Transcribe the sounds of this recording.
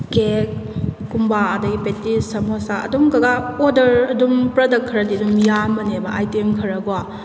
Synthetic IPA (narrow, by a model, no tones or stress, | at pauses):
kekːumbaɐdɐɡipetisɐmosaɐ̰dumkɐɡaodɐɾɐdumpɾɐdɐkkʰːɾɐdiɐdumjamɐnebɐʔajtemkʰɐɾɐɡuwa